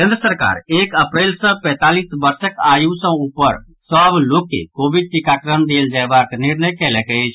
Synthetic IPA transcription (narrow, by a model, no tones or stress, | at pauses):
kẽnd̪ɾəsəɾka̰ɾekəpɾelsə̃pɛ̃t̪alisbəɾsəkajũsə̃upəɾ | səblokːḛkobid̪̚ʈ̪ikakɾənd̪eld͡ʒaebakniɾnəjkɛlɛkət͡ʃʰ